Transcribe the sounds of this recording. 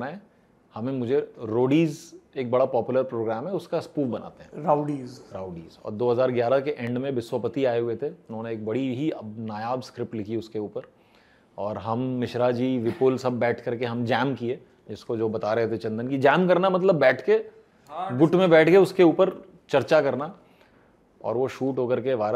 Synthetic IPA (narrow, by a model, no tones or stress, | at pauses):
naɦɛ̃ː | hɐmẽmʊd͡ʒʱeɾoːɖiːzeːk̚bɐɽapɔːpjʊləɾpɾoːɡɾɛːmɦɛʊskaɐspuːʋbɐna̰ːt̪eɦɛ̰̃ːɾaɖiːzɾaːʊɖiːzɔ̰ːɾd̪oːɦɐzaːɾɡjaːɾakeʔɛ̃ɳɖmẽʋɪswəpət̪iaːeɦʊet̪ʰeʊnɦõːneːk̚bɐɽiɦiɐnaːjaːbskɾɪp̚ʈlɪkʰiʊskeuːpəɾ | ɔːɾɦɐmːɪʃɾad͡ʒiːʋɪpʊlsɐb̚ːɛːʈʰkɐɾkeɦɐmd͡ʒɛːmkie | d͡ʒɪskod͡ʒoːbɐt̪aɾɛɦɛt̪ʰet͡ʃɐ̃nd̪ənkid͡ʒɛːmkɐɾnamɐt̪̬ləbːɛːʈʰke | ɡʊʈmẽbɛːʈʰkeʊskeuːpəɾ | t͡ʃɐɾt͡ʃakɐɾna | ɔ̰ːɾʋoʃuːʈɦoːkɐɾkeʋaːɾ